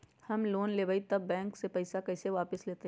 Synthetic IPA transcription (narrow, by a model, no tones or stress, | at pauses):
hɐmloːnleːbait̪ɐbːɛ̃ːŋksepɐɪsakɐɪseʋaːpɪsleːt̪e